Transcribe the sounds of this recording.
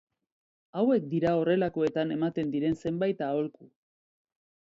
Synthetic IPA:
awe̞k̚d̪iɾao̞re̞lako̞e̞t̪ane̞mat̪e̞nd̪iɾe̞nse̞mbajt̪ao̞lku

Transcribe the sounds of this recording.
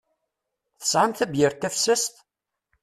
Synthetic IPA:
θə̥sʕamθæbjɪɾt̪ːæfsəst̪

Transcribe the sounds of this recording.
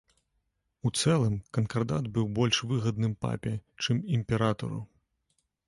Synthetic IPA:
ut̪sɛlˠɨmkɐnkɐrd̪ad̪bɨwbɔlʲʂvɨɣɐd̪̚nɨmpa̰pʲɛt͡ʂɨmimʲpʲɛɾat̪ɐ̰ɾṵ

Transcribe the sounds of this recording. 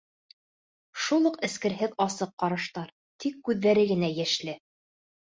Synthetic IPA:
ʃulˠɤqɘ̆skɘ̆ɾɦɘðɑsɤqːɑɾɤ̆ʃt̪ɑɾ | t̪ʰikːʉðːæɾɘɡɘ̆næjæʃlɘ

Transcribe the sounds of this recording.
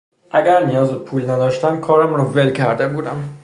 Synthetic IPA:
ʔæɡæɾnijɒːzepʰuːlnæd̪ɒːʃt̪ænkʰɒːɾæmrɔvelcʰæɾd̪ebuːd̪æm

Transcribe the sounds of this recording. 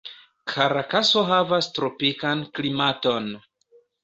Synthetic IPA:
kʰaɾakaso̞ɦavastɾo̞pikanklimato̞n

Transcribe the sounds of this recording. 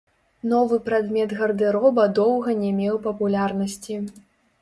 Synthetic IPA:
nɔvɨpɾad̪mʲɛt̪ɣɐrd̪ɨɾɔbɐd̪ɔwɣɐnʲɛmʲɛwpɐpulʲarnɐsʲt͡sʲi

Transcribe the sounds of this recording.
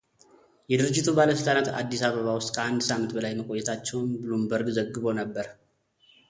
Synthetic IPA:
jɛd̪ɨɾɨd͡ʒːɪt̪ʰʼubaləsəlt̪ʼanat̪a̰d̪ːisaβəβawʊst̪ʼkʰəʔand̪samɨnt̪bəlajməkʼo̞jːɛt̪ʰat͡ʃːɛwnbɨlumbəɾɡzəɡːɨβo̞nəbːəɾ

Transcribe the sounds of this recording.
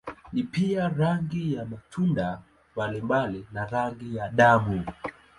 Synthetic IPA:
nipiaɾaŋɡijamatʰunda | mbalimbalinaɾaŋɡijaɗamu

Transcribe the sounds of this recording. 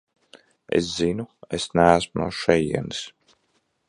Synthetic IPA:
ḛszinuesnæːsmunṵːʃɛjḭɛnis

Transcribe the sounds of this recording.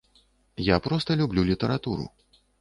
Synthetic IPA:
japɾɔst̪ɐlʲublʲulʲit̪ɐɾat̪uɾṵ

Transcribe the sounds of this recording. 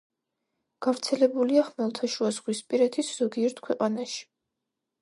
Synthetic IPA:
ɡ̥avɾt̪sʰɛlɛbuliaχmɛlˠt̪ʰaʃuazʁwispʼiɾɛt̪ʰisz̥ɔɡiɛɾt̪ʰkʰwɛqʼanaʃi̥

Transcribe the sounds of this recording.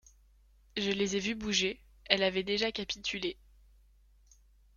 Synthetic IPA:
ʒəlezɛvybuʒe | ɛlavɛd̪eʒakapit̪ʰyle

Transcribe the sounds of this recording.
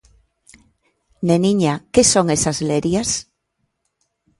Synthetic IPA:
neniɲakesoŋesazleɾjas

